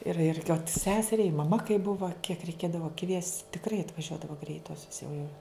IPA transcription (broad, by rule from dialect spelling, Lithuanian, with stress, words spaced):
ɪr ɪr ɪ oːt ˈsʲæːsʲɛrʲɛɪ ɪ mɐˈmɐ kɐɪ ˈbʊʋɐ kʲiɛk rʲɛɪˈkʲeːdɐʋɐ kʋʲiɛsʲtʲ tʲɪkˈrɐɪ ɐtʋɐˈʒʲuɔdɐʋoː ˈɡrʲɛɪtoːsʲoːs jɛʊ jɛʊ